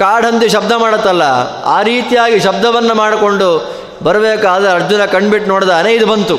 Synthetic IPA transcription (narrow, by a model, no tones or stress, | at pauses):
kaːɽʱɐnt̪ːiʃɐb̚d̪ʱɐmaːɽɐt̪ːɐlːɐ | a̰ːɾiːt̪ijaːɡiʃɐbd̪ʱɐʋɐnːɐmaːɽko̞ɳɖu | bɐɾɐbeːkaːd̪ɐɐɾd͡ʒunɐkɐɳɖbiʈnoːɽt̪aːneid̪ubɐnt̪u